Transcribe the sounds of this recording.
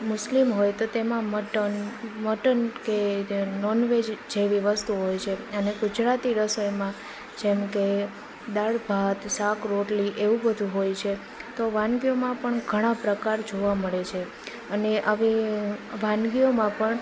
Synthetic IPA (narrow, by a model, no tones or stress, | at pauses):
mʊslimɦojt̪ot̪emãməʈənməʈənkenɔnʋed͡ʒd͡ʒeʋiʋəst̪uɦojt͡ʃʰeəneɡud͡ʒɾat̪iɾəsojmã | d͡ʒɛmke | d̪aɽbʱat̪sakɾoʈliʔeʋũbəd̪ʱũɦojt͡ʃʰe | t̪oʋãnɡijomãpəɳɡʱəɽ̃ãpɾəkaɾd͡ʒoʋaməɭet͡ʃʰe | əneʔaʋeʋãnɡijomãpəɳ